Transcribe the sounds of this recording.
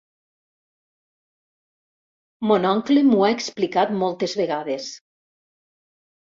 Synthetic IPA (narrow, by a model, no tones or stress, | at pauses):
monɔŋklemuaeksplikat̪mɔlˠt̪ezβeɣaðes